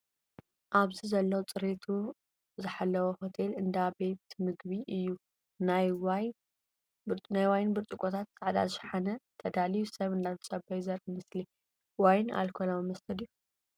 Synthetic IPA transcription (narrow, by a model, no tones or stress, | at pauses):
ʔaβzizɐlːɐwt͡sʼɨɾet̪ʰu | zɨħalːɐwohot̪ʰelɨnd̪abe̞t̪mɨɡbiʔɨjːu | najw | najwajnbɨɾt̪ʼɨkʼot̪ʰat̪saʕd̪a̰zɨʃaħanɐt̪ʰɐd̪alijusɐβɨnd̪aβʰt͡sʼɐbɐjzɐɾʔmɨsli | wajna̰lkʰolawimɐst̪ʰɐd̪iju